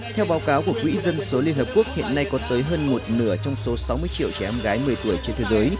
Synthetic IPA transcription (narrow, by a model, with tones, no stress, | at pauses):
t̪ʰɛ˧wɓaː˨˦wkaː˨˦wku˧˩əkwḭ˧˥zə˧nso˨˦li˧ənhəː˨˩p̚ku˦˥ək̚hḭ˧˨ənːa˧jkɔ˨˦t̪əː˨˦jɦəː˧nmo˨˩t̚nɨ̰˧˩ət͡ɕɔ˧wŋ͡mso˨˦sa˨˦wmɨ˧jt͡ɕḭ˧˨əwt͡ɕɛ˧˩ʔɔ˧mɣaː˨˦jmɨ˨˩əjt̪u˧˩əjt͡ɕe˧nt̪ʰeː˨˦jzəː˨˦j